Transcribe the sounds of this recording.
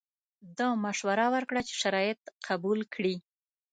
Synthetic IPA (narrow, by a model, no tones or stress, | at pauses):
d̪ɑmaʃwaɾawəɾkɽat͡ʃe̥ʃaɾɑjɪt̪qʰabulkɽi